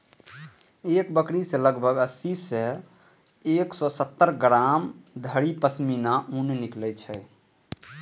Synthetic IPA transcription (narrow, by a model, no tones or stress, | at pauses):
ekbəkɽisẽləɡbʱəɡəsisẽ | eksɔsət̪ːəɾɡɾamd̪ʱəɾipəsminaʔunniklɛt͡ʃʰɛ